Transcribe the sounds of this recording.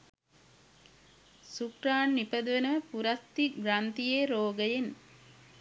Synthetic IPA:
sukɾaːnːipɐd̪uʋenɐʋəpuɾɐt̪ːiɡɾant̪ijeːɾoːɡɐjen

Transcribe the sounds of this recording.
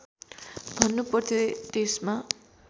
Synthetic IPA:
bʱʌnːupʌrt̪ʰjot̪esma

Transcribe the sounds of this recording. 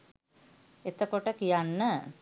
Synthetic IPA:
et̪əkoʈəkijanːə

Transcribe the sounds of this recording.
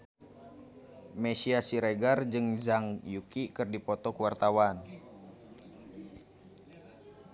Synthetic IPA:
mɛsiasiɾeɡard͡ʒɨŋzaŋjukikɨrdipɔt̪ɔkuwart̪awan

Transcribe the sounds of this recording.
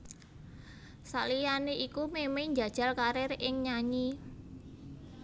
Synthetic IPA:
saʔlijaneʔikumemeɲd͡ʒa̤d̥ʒ̥a̤lkaɾerʔɪŋɲaɲi

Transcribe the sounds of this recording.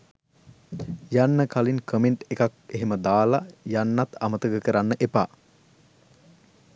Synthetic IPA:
janːəkalinkəmeɳʈekak̚eɦeməd̪aːlajanːat̪amət̪əɡəkəɾanːəʔepa̰ː

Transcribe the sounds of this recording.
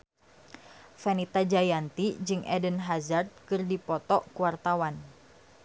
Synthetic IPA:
fɛnit̪ad͡ʒajant̪id͡ʒɨŋʔɛ̰dənɦazard̪̚kɨrdipɔt̪ɔkuwart̪awan

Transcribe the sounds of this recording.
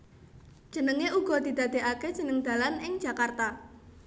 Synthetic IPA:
ʒ̥ənəŋeuɡ̥ɔ̤d̪̥i̤d̪ä̤d̪̥e̤ʔake̥ʒ̥ə̤nəŋd̪̥a̤lanɪŋ̥d͡ʒ̥ä̤kart̪a

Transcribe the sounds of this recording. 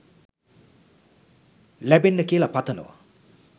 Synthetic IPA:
lebenːəkeːlapat̪ʰɐnṵwa̰

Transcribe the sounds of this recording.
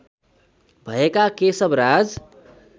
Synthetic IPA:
bʱʌekakesəbɾad͡z

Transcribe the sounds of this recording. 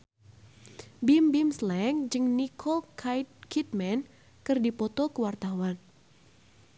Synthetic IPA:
bimbimslɛŋd͡ʒɨŋnikʰo | kʰit̪̚mɛn | kɨrdipɔt̪ɔkəwart̪awan

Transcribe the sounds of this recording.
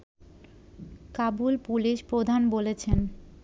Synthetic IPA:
kabulpuliʃpɾod̪ʱanbolet͡ɕʰen

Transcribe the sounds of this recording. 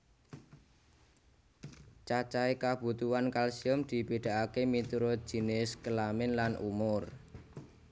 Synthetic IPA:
t͡ʃat͡ʃaekab̥ṳt̪uwankalsiɔmd̪̥i̤piɖ̪̥a̤ʔakemit̪uɾo̥ʒ̥i̤nɪskəlamɪnlanʔṵmʊr

